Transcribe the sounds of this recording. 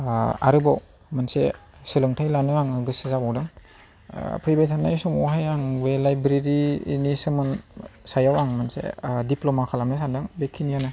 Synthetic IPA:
a̰ɾɯbɔw | mɯnsesilɯŋtʰajlanɯaŋɡɯsizabawdɯŋ̰ | pʰɯjbejtʰanːajsumɔwɦajaŋwelajbɾiɾḭːnisɯmɯnsajawaŋmɯnsḛdiplomakʰalamnɯs̬andɯŋbekʰːinijanɯ

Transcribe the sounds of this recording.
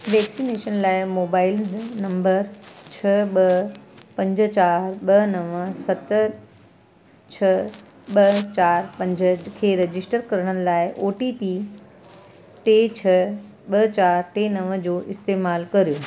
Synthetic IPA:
ʋɛːksineːʃənlaːɪmoːbaːɪlnɐ̃mbəɾt͡ɕʰɐɓɐpɐ̃ɲd͡ʑə̆t͡ɕaːɾɓɐnɐʋsɐt̪ | t͡ɕʰɐ | ɓɐt͡ɕaːɾpɐ̃ɲd͡ʑəkʰeːɾɐd͡ʑɪsʈəɾkɐɾəɽ̃ənɪ̆laːɪʔoːʈiːpi | ʈeːt͡ɕʰɐ | ɓɐt͡ɕaːɾʈeːnɐʋd͡ʑoːʔɪst̪eːmaːlkɐɾijo

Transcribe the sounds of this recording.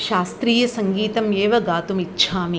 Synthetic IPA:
ʃaːst̪ɾiːjɐsɐŋɡiːt̪ɐmjeːʋɐɡaːt̪umitːʃʰaːmi

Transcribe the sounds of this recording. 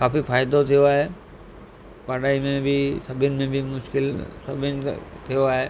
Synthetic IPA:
kaːfifaːɪd̪ot̪ʰijoaːɦe | paɽaːimẽbʱisɐbʱɪnɪmẽbʱimʊʃkɪlsɐbʱɪnɪt̪ʰijoaːɦeː

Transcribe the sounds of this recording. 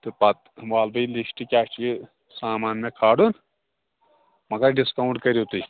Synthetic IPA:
t̪ɨpɐt̪̚ʋaːlbɐlisʈikʲaːkt͡ʃʰii | saːmaːnmẽkʰaːɽun | mɐɡɐɾɖiskauɳʈkɐɾit̪uj

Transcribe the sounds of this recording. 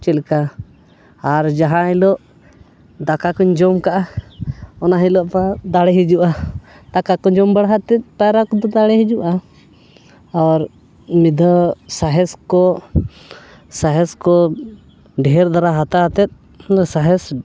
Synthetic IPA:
t͡ʃilka | aɾd͡ʒaɦãilɔʔ | d̪akakɔɲd͡ʒɔmkaʔa | ɔnaɦilɔʔpad̪aɽɛɦid͡ʒuʔa | d̪akakɔɲd͡ʒɔmbaɽɦat̪ɛt̪̚ˀpaɾakɔd̪ɔd̪aɽɛɦid͡ʒuʔa | aɾ | mid̪ʱɔsaɦɛskɔ | saɦɛskɔ | ɖɛɦɛɾd̪aɾaɦat̪aɦat̪ɛt̪̚ | saɦɛs

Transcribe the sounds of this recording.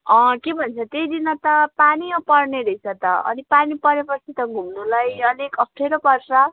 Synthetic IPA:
ʌkebʱʌnt͡sʰʌt̪ejd̪inʌt̪ʌpaniʌpʌrneɾʌjt͡sʰʌt̪ʌʌ̰nipanipʌɾepʌt͡sʰit̪ʌɡʱumnulajʌnekʌp̚ʰʈʰeɾʌpʌrsʌ

